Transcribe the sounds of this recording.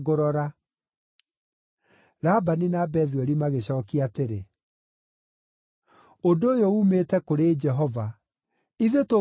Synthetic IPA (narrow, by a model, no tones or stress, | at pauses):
ɣoɾɔɾa | ɾaːbaninabɛðwɛɾimaɣeɕɔːkiateɾe | ondoːjoumetɛkoɾed͡ʒɛɦɔva | iðeto